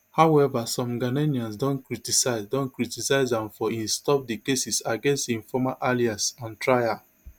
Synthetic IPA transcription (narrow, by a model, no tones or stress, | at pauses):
hawɛvasɔ̃mɡaneniãnsdõnkɹitisaɪzdõnkɹitisaɪzdãmfɔĩnstɔp̚dikesisaɡẽnstĩɱfɔmalʔaliasɔ̃ntɹaja